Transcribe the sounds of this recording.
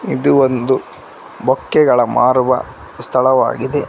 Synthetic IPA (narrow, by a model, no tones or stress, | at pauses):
id̪uond̪u | bɔkːɛɡɐɭɐmaːɾʋɐ̰ | st̪ʰɐɭɐʋa̰ːɡid̪e